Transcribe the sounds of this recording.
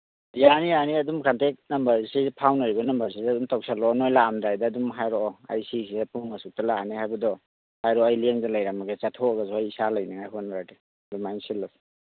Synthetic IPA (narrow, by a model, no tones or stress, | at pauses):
janianiɐdumkantek̚nɐmbɐɾsipʰawnaɾibɐnɐmbɐɾs̬izɐdumtawk̚salɔnojlaːmdajdaːdumɦajɾɔɔa̰jsisiapuŋmasuk̚talaanihajbɐdɔ | hajɾɔajlieŋdalajɾamaɡet͡ʃatʰɔaɡasɔajisalajnaŋajkʰɔnaɾade | dumajnsilːas